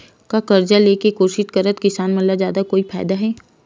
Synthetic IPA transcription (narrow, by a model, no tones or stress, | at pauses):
kakɐɾd͡ʒaleːkekoːʃɪt̪kɐɾət̪kɪsaːnmɐlad͡ʒjaːd̪akoːifa̰ːjd̪aɦɛː